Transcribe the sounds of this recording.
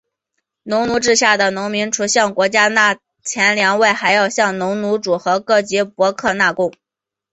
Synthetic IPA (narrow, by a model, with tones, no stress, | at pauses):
nʊ˧˥ŋnu˧˥ʈ͡ʂɻ̩˥˧ɕja˥˩d̪ə˩nʊ˧˥ŋmi˧˥ŋʈ͡ʂʰu˧˥ɕjɑ˥˩ŋkwɔ˧˥t͡ɕja˥na˥˩ | t͡ɕʰjɛ˧˥nljɑ˧˥ŋwe˥˩ɪxa˧˥ɪjɑ˥˧ʊɕjɑ˥˩ŋnʊ˧˥ŋnu˧˥ʈ͡ʂu˨˩xɤ˧˥kɤ˥˩t͡ɕi˧˥pwɔ˧˥kʰɤ˥˧na˥˧kʊ˥˩ŋ